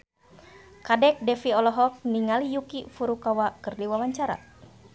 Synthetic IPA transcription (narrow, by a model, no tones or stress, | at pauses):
kadɛk̚dɛfiɔlɔɦɔk̚niŋalijukifuɾukawakɨrdiwawaɲt͡ʃaɾa̰